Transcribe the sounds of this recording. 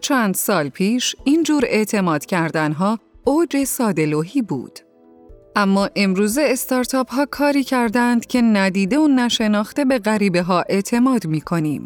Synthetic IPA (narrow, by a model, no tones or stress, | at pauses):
t͡ʃʰænd̪sɒːlpʰiːʃiːnd͡ʒuːɾe̞ʔt̪ʰe̞mɒːd̪̥cʰæɾd̪ænɦɒːod͡ʒe̞sɒːd̪e̞loɦiːbṵːd̪̥ | ʔæmːɒːʔe̞mɾuːze̞ːst̪ɒːɾt̪ʰɒːphɒːkʰɒːɾiːcʰæɾd̪ænd̪̥cʰe̞næd̪iːd̪e̞onæʃe̞nɒːxt̪e̞be̞ɣæɾiːbe̞ɦɒːʔe̞ʔt̪ʰe̞mɒːd̪miːkʰo̞nḭːm